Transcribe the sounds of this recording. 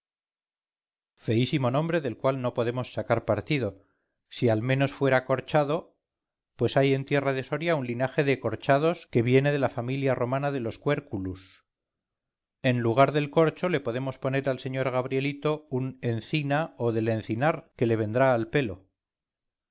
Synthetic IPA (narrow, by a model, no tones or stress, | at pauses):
fe̞isimo̞nõ̞mbɾe̞ðe̞lkwalno̞po̞ðe̞mo̞sːakaɾpaɾt̪iðo̞ | sialmẽ̞no̞sfwe̞ɾako̞ɾt͡ʃaðo̞ | pwe̞saje̞nt̪je̞raðe̞so̞ɾjaunlinaxe̞ðe̞ko̞ɾt͡ʃaðo̞ske̞βje̞ne̞ð̞e̞lafamiljaro̞manaðe̞lo̞skwe̞ɾkulus | e̞nluɣ̞aɾðe̞lko̞ɾt͡ʃo̞le̞po̞ðe̞mo̞spo̞ne̞ɾalse̞ɲo̞ɾɣaβɾje̞lit̪o̞une̞nθinaoðe̞le̞n̟θinaɾke̞le̞βe̞nd̪ɾaːlpe̞lo̞